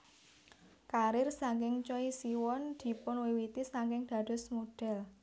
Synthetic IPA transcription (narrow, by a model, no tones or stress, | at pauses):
kaɾɪrsaŋkɪŋt͡ʃɔisiwɔnd̪̥i̤pʊnwewit̪isaŋkɪŋd̪̥a̤d̪̥ʊ̤smoɖ̥ɛ̤l